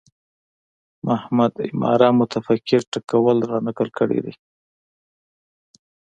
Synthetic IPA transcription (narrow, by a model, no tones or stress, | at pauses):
mahmad̪ɪ̰mɑ̰ɾamʊt̪afakːɪɾʈakawəlɾɑnakəlkəɽḛd̪e